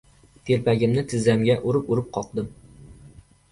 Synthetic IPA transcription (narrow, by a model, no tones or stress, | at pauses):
t̪ʰelpæɡʲɪmnɪt̪ʰɪzæmɡʲæʔuɾɨpuɾɨp̚qʰɒq̚d̪ɨm